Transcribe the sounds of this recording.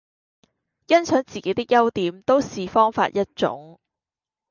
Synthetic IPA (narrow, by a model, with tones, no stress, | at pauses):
jɐ˥nsʰœː˨˥ŋt͡siː˨˩ke˨˥jt̪ɪ˥k̚jɐ˥wt̪iː˨˥mt̪o˥wsiː˨fɔː˥ŋfa̰ː˧t̚jɐ˥t̚t͡ʃʊ̰˨˥ŋ